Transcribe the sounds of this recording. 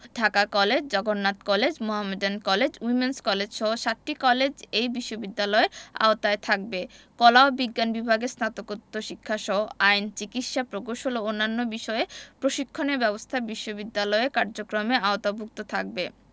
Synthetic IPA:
ɖʱakakɔled͡ʑd͡ʑɔɡonːat̪kɔled͡ʑmoɦamedenkɔled͡ʑwimenskɔled͡ʑʃɔɦoʃatʈːikɔled͡ʑejbiʃːobid̪ːalɔea̰ot̪aet̪ʰak̚bekɔlaobiɡːanbibʱaɡesnat̪okot̪ːoʃikʰːaʃɔɦoʔajnt͡ɕikit̪ʃapɾokoʃoloonːanːobiʃɔepɾoʃikʰːoneɾbɛbost̪ʰabiʃːobid̪ːalɔeekaɾd͡ʑokɾomeaot̪abʱuk̚t̪ot̪ʰak̚be

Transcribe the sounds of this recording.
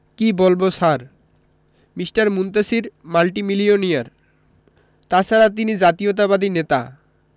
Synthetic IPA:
kibolbosaɾ | misʈaɾmunt̪asiɾmalʈimilioniaɾ | t̪at͡ɕʰaɾat̪̬inid͡ʑat̪iot̪̬abad̪inet̪a̰

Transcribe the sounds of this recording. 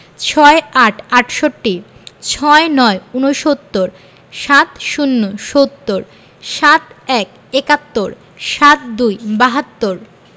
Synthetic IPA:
t͡ɕʰɔeaʈʰaʈʰʃoʈːi | t͡ɕʰɔenɔeunoʃot̪ːoɾ | ʃat̪ʃunːoʃot̪ːoɾ | ʃat̪ɛk | ekat̪ːoɾ | ʃat̪̚d̪ujbaɦat̪ːoɾ

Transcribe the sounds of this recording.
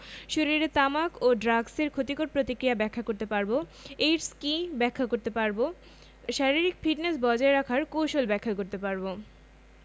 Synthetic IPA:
ʃoɾiɾet̪amakoɖɾaɡseɾkʰot̪ikoɾpɾot̪ikɾiabɛkʰːakoɾt̪epaɾboejɾskibɛkʰːakoɾt̪epaɾbo | ʃaɾiɾikfiʈnesbɔd͡ʑaeɾakʰaɾkowʃolbɛkʰːakoɾt̪epaɾbo

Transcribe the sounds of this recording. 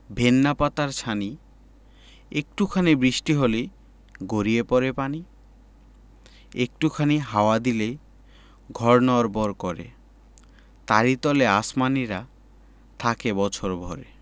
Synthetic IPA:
bʱenːapat̪aɾt͡ɕʰani | ek̚ʈukʰanibɾiʃʈiɦole | ɡoɾiepɔɾepani | ek̚ʈukʰaniɦaoad̪ile | ɡʱɔɾnɔɾbɔɾkɔɾḛ | t̪aɾit̪ɔleasmaniɾa | t̪ʰakebɔt͡ɕʰoɾbʱɔɾḛ

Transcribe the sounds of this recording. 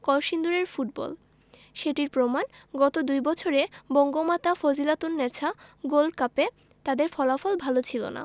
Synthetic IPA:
kɔlʃind̪uɾeɾfuʈ̚bɔ̰l | ʃeʈiɾpɾomanɡɔt̪od̪ujbɔt͡ɕʰoɾebɔŋɡomat̪afod͡ʑilat̪unːɛt͡ɕʰaɡolɖkape | t̪ad̪eɾfɔlafɔlbʱalot͡ɕʰilo̰na̰

